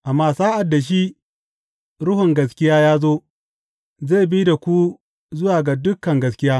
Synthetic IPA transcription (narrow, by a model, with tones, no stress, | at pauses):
ʔa˨mːaː˦˨saː˦ʔa˨dːa˨ʃ̬iː˦ | ɽʊ˦ɦʊ˨ŋɡɐ˨s̬kʲɪ˦jaː˦jaː˦zoː˦ | zeː˦˨bi˦da˨kʷu˦ | zʊ˦waː˨ɡa˨dʊ˦kːɐ˨ŋɡɐ˦skʲɪ˦jaː˦